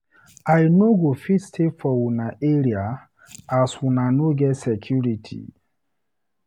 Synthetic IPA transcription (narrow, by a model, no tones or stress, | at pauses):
ajnoɡofitstʰefɔwunaʔeɾia | aswunanoɡɛtsɛkʰjuɾitʰḭ